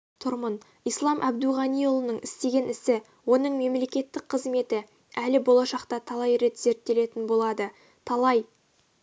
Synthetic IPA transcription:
t̪ʰʊɾmən | ijslˠɑmʔæbd̪uʁɑnijolˠənəɴɪst̪e̞ɡʲe̞nɪsɪ | wo̞nəɴme̞mle̞kʲe̞t̪ːɪkqʰəzme̞t̪ɪ | ælɪbo̞lˠɑʃɑqt̪ɑt̪ʰɑlˠɑjɾe̞t̪z̥e̞ɾt̪ːe̞le̞t̪ɪnbo̞lˠɑd̪ə | t̪ʰɑlˠɑj

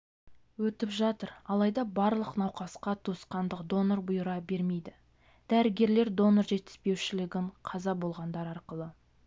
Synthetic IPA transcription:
wɵt̪ɪpʒɑt̪əɾɑlˠɑjd̪ɑbɑɾlˠəqnɑwqɑsqɑt̪ʰusqɑnd̪əqd̪o̞noɾbʊjəɾɑbe̞ɾme̞jd̪ɪ | d̪̥æɾɪɡʲe̞ɾle̞ɾd̪o̞noɾʒe̞t̪ːɪ̥z̥pe̞wʃɪlɪɡʲɪɴqʰɑzɑbo̞lˠʁɑnd̪ɑɾɑɾqəlˠə

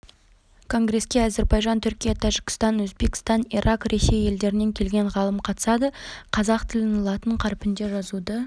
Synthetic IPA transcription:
kʰo̞ŋɡɾe̞skʲe̞æze̞ɾbɑjʒɑnt̪ʰʏɾkʲijɑt̪ʰæʒɪkʲɪ̥st̪ɑnwɵzbe̞kʲɪ̥st̪ɑniɾʔɑqɾe̞se̞je̞ld̪e̞ɾɪne̞ŋkʲʰe̞lɡʲe̞ɴʁɑlˠəmqʰɑt̪ə̥sɑd̪əqʰɑzɑqt̪ʰɪlɪnɑlˠɑt̪əɴqʰɑɾpɪnd̪e̞ʒɑzud̪ə

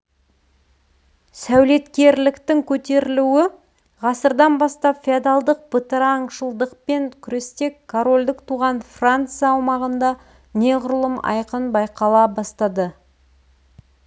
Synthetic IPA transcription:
sæwle̞t̪kʲe̞ɾlɪkt̪ɪŋkʲʰɵt̪e̞ɾɪluwɪ | ʁɑsəɾd̪ɑnbɑst̪ɑpfʲiad̪alˠd̪əq̚bət̪əɾaŋʃəlˠd̪əq̚pe̞ŋkʲʰʏɾe̞st̪e̞kkʰːoɾo̞lʲd̪ɪkt̪ʰuʁɑnfrant̪sɨjɑːwmɑʁənd̪ɑ | ne̞ʁʊɾlˠəmɑ̰jqənbɑjqɑlˠɑbɑst̪ɑd̪ə

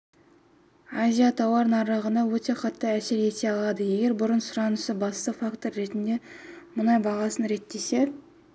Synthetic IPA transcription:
azʲijat̪ʰɑwɑɾnɑɾɑʁənɑwɵt̪e̞qʰɑt̪ːəæse̞ɾje̞t̪e̞ɑlˠɑd̪əje̞ɡʲe̞ɾbʊɾənsʊɾɑnəsəbɑst̪əfakt̪o̞ɾːe̞t̪ɪnd̪e̞mʊnɑjbɑʁɑsənɾe̞t̪ːe̞se̞

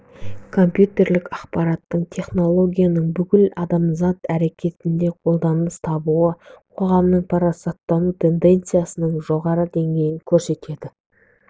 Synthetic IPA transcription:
kʰo̞mpjut̪e̞ɾlɪkɑqpɑɾɑt̪ːəɴt̪ʰe̞χno̞lˠo̞ɡʲijanəɴbʏkʲɪlɑd̪ɑmzɑt̪æɾe̞kʲʰe̞t̪ɪnd̪e̞qʰo̞lˠd̪ɑnməst̪ʰɑbuəqʰo̞ʁɑmnəɴpʰɑɾɑsɑt̪ːɑnut̪ʰe̞nd̪e̞nt̪sɨjasənəɴʒo̞ʁɑɾəd̪e̞ŋɡʲe̞jɪŋkʲʰɵɾse̞t̪e̞d̪ɪ

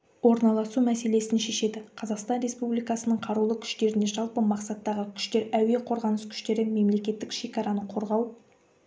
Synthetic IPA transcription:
wo̞ɾnɑlˠɑsumæse̞le̞sɪnʃe̞ʃe̞d̪ɪqʰɑzɑqst̪ɑnɾe̞spublijkɑsənəɴqʰɑɾulˠəkʲʰʏ̥ʃt̪e̞ɾɪne̞ʒɑlˠpəmɑqsɑt̪ːɑʁəkʲʰʏ̥ʃt̪e̞ɾæwe̞qʰoɾʁɑnəskʲʰʏ̥ʃt̪e̞ɾɪme̞mle̞kʲe̞t̪ːɪkʃe̞kʲɑɾɑnəqʰo̞ɾʁɑw

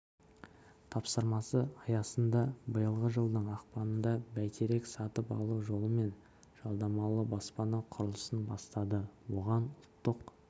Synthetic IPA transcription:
t̪ʰɑpsəɾmɑsəɑjɑsənd̪ɑbəjəlˠʁəʒəlˠd̪əɴɑqpɑnənd̪ɑbæjt̪ʰeɾe̞ksɑt̪əpɑ̰lˠuʒo̞lˠəme̞n | ʒ̥ɑlˠd̪ɑmɑlˠəbɑspɑnɑqʰʊɾəlˠəsənbɑst̪ɑd̪əwo̞ʁɑnʊlˠt̪ːəq

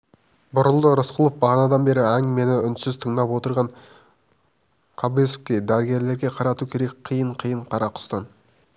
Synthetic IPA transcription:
bʊɾʊlˠd̪əɾəsqəlˠofbɑʁɑnɑd̪ɑnbe̞ɾɪæŋme̞nɪʏnsɪzt̪ʰəɴd̪ɑpwo̞t̪əɾʁɑɴ | qʰɑbesofkʲed̪æɾɪɡʲe̞ɾle̞ɾɡʲe̞qʰɑɾɑt̪ukʲʰe̞ɾe̞k̚ʲqʰijəɴqʰijəɴqʰɑɾɑqʰʊ̥st̪ɑn

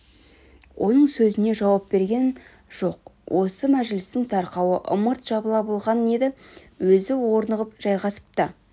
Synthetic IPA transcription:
wʔo̞̰nəɴsɵzɪne̞ʒɑwɑp̚be̞ɾɡʲe̞n | ʒ̥o̞qwʔo̞səmæʒɪlɪst̪ɪŋt̪ʰɑɾqɑwəʔʊ̰məɾt̪ʒ̥ɑbəlˠɑbəlˠʁɑne̞d̪ɪ | wɵzɪwo̞ɾnəʁəpʒ̥ɑjʁɑsə̥p̚t̪ə

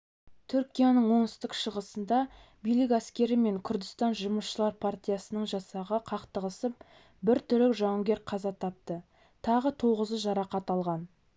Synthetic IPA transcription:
t̪ʰʏɾkʲijanəɴwo̞nəst̪əqʃəʁəsənd̪ɑbijlɪk̬æskʲe̞ɾɪme̞ŋkʲʰʏɾd̪ɪst̪ɑnʒʊməsʃəlˠɑɾpʰart̪ʲijasənəɴʒɑsɑʁəqʰɑqt̪əʁəsəp̚ | bɪɾt̪ʰʏɾlɪkʒɑŋɡʲeɾqʰɑzɑt̪ʰɑp̚t̪ə | t̪ʰɑʁət̪ʰo̞ʁəzəʒɑɾɑqɑt̪ɑlˠʁɑn

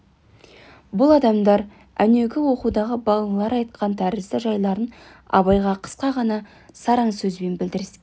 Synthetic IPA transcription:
bʊlˠɑd̪ɑmd̪ɑɾ | æne̞ɡʲɪwo̞qud̪ɑʁəbɑlˠəɴlˠɑɾɑjt̪̚qʰɑnt̪ʰæɾɪsd̪ɪʒɑjlˠɑɾən | ɑ̰βɑjʁɑqʰə̥sqɑʁɑnɑ | sɑɾɑɴsɵzbe̞nbɪld̪ɪɾɪs

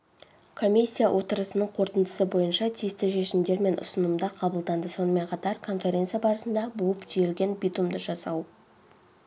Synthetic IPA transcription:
kʰo̞mʲisʲːijawʔo̞t̪əɾəsənəɴqʰo̞ɾt̪ənd̪ə̥səbo̞jənʃɑt̪ʰijəst̪ɪʃe̞ʃɪmd̪e̞ɾme̞nʔʊ̰sənəmd̪ɑɾqʰɑbəlˠd̪ɑnd̪əso̞nəme̞ɴqʰɑt̪ɑɾkʰo̞nfʲe̞ɾʲe̞nt̪sɨjabɑɾəsənd̪ɑbuəpʒʰijelɡʲe̞nbʲijt̪umd̪əʒɑsɑw

